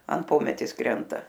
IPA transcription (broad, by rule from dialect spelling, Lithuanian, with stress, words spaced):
ɐn ˈpoːmʲɛtʲeːs ˈkrʲɛntɐ